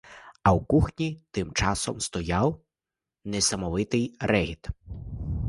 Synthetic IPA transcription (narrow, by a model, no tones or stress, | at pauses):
ɐwkuxnʲit̪ɪmt͡ʃɑsɔmst̪ɔjaw | nɛsɐmɔʋɪt̪ɪjrɛɦʲit̪